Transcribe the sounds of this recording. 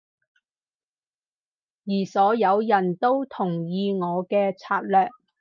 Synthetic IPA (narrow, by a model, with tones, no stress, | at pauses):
jiː˨˩sɔː˨˥jɐ˨˧wjɐ˨˩nt̪o˥wt̪ʰʊ˨˩ŋjiː˧ŋɔː˨˧kɛː˧t͡sʰaː˧t̚lœː˨k̚